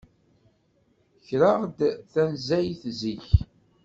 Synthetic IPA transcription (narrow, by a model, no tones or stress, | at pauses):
çɾɑʁd̪θænzæjθziç